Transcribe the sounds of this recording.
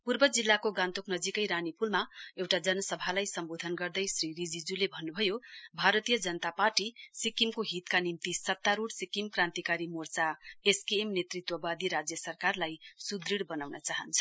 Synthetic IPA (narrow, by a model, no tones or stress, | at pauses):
purbʌd͡zilːakoɡãnt̪oknʌd͡zikʌjɾanipulmaewʈad͡zʌnʌsʌbʱalajsʌmbod̪ʱʌnɡʌrd̪ʌjsriɾid͡zid͡zulebʱʌnːubʱʌjobʱaɾʌt̪ijʌd͡zʌnʌt̪aparʈisikimkoɦit̪kanimt̪isʌt̪ːaɾuɽsikimkrãnt̪ikaɾimort͡saeskiemnet̪rit̪wʌbad̪iɾad͡zjʌsʌrkarlajsud̪riɽbʌnawnʌt͡saɦʌnt͡sʰʌ̥